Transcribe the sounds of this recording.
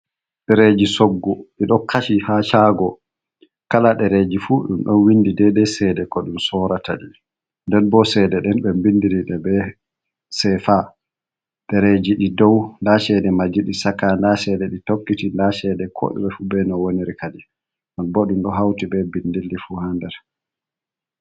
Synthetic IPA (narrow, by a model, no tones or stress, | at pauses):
ɗɛɾed͡ʒisoɡːɔɗiɗɔkʰaʃihat͡ʃaɡɔ | kalaɗɛɾed͡ʒifuɗumɗɔnwindidɛdɛsɛdɛkɔɗumsɔɾataɗi | ndɛnbɔsɛdɛɗɛnɓɛmbindiliɗɛbɛ | sɛfa | ɗɛɾed͡ʒiɗidɔwndasɛdɛmad͡ʒiɗisakandasɛdɛɗitokːitindasɛdɛkʰɔ̰ɗɛ̰ɓɛfubɛnɔwoniɾikadi | nɔnbɔɗumɗɔɦawtibɛbindilːifuhandɛɾ